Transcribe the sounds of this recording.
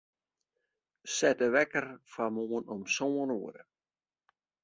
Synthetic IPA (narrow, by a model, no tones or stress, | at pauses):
sɛtəʋɛkərfamoːənɔmsoːənṵəɾə̰